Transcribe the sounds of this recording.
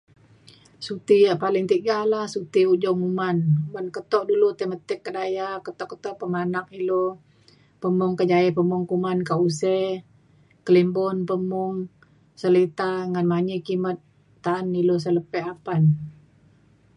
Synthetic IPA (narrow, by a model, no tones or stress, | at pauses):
sut̪ijaʔpalɪŋt̪iɡalahsut̪iuʔd͡ʒɔmumanbankət̪ɔʔdulut̪əmət̪ɛkːədajakət̪ɔʔkət̪ɔʔpəmanakilo | pəmʊŋkəd͡ʒaɛpəmʊŋkumankaʔusɛ | kəlimbɔnpəmɔŋ | səlit̪aŋanmaɲikimət̪̚ː | aːnilos̬ələpɛapan